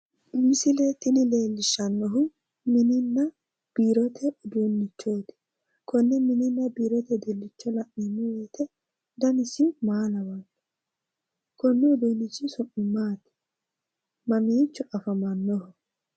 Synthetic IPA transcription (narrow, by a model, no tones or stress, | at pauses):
mɪsɪlet̪ːɪnɪle̞ːlːɪʃːɐnːɔɦʊ | mɪnɪnːɐ | b̥iːɾɔt̪ʰɛʔʊd̪uːnːɪt͡ʃːoːt̪ɪ̥ | kʰɔnːɛmɪnɪnːɐbiːɾɔt̪ɛd̪ɛlːɪt͡ʃːɔlɐʔːɪnːʊweːt̪ɛ | d̪ɐnɪsɪmaːlɐwɐt̪ | kɔnːɛʊd̪uːnːɪt͡ʃːɪsʊʔːɪmːaːt̪ɪ̥ | mɐmiːnt͡ʃːɔʔɐfɐmɐnːɔhʊ